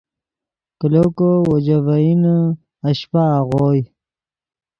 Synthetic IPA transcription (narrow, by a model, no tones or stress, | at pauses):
kəlokowod͡ʑavain | aɕpaːʁoj